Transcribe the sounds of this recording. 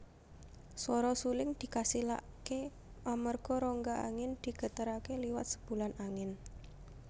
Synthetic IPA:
sɔɾɔsulɪŋd̪̥i̤kasila̰ʔ | ke | amərɡ̥ɔɾɔŋɡaa̰ŋɪnd̪̥i̤ɡ̥ə̤t̪əɾakeliwa̰t̪̚sə̥b̥ṳlanaŋɪn

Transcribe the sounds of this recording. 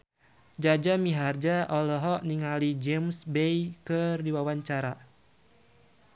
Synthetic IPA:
d͡ʒad͡ʒamiɦard͡ʒaʔɔlɔɦɔʔniŋalid͡ʒɛmsbejkɨrdiwawaɲt͡ʃaɾa

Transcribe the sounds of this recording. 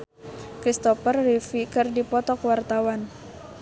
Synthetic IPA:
kɾist̪ɔfərːifikɨrdipɔt̪ɔkwart̪awan

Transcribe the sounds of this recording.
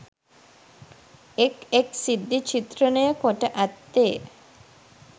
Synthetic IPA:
ekeksid̪ʱːit͡ʃit̪ɾənəjəkoʈəʔat̪ːeː

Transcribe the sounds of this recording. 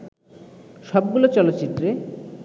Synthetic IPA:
ʃɔb̚ɡulot͡ɕɔlot̪ːɕit̪ːɾe

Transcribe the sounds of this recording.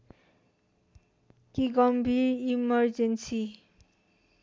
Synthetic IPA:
kiɡʌmbʱirimʌrd͡zensi

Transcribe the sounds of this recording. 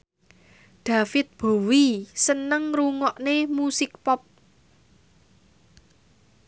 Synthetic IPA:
ɖ̪̥ä̤fɪt̪̚b̥o̤wisənəŋruŋɔʔnemusɪk̚pɔp̚

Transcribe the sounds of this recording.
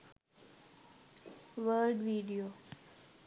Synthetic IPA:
ʋəɾɖʋiːɖijoː

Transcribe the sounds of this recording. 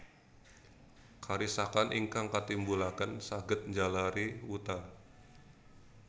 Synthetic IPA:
kʰaɾisakanʔiŋkaŋkat̪imbulakənsaɡət̪̚ɲd͡ʒalaɾiwut̪a

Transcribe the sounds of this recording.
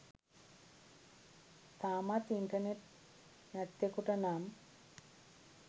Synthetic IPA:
t̪aːmat̪iɳʈɐneʈ̚ | nɐt̪jekuʈɐnaːm

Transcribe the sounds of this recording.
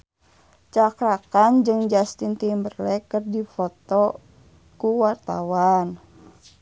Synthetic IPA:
t͡ʃakɾakand͡ʒɨŋd͡ʒast̪int̪imbərlɛkɨrdifɔt̪ɔ | kuwart̪a̰wan

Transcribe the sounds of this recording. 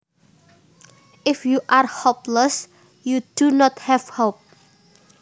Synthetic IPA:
ʔɪfjuʔarhopləs | jud̥unɔt̪hɛvhop̚

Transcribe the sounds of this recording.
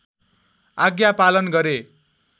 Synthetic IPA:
aɡjapalʌnɡʌɾe

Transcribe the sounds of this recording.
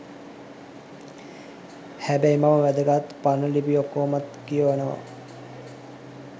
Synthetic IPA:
hæbæjmaməʋæd̪əɡat̪panəlibiokːoːmat̪kijəʋanəʋa̰

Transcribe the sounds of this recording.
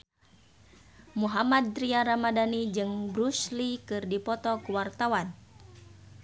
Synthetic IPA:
muɦamad̪̚ɾiaɾamadanid͡ʒɨŋbɾuslikɨrdipɔt̪ɔkuwart̪awan

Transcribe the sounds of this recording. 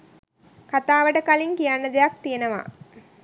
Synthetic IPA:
kat̪aːʋəʈəkaliŋkijanːəd̪ejak̚t̪ijenəʋa̰

